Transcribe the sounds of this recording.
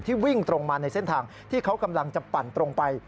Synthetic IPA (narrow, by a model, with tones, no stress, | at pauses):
t̪ʰiː˥˩wi˥˩ŋt̪ɾo˧ŋmaː˧na˧jse˥nt̪ʰaː˧ŋ | t̪ʰiː˥˩kʰa˦˥wka˧mla˧ŋt͡ɕa˨˩pa˨˩nt̪ɾo˧ŋpa˧j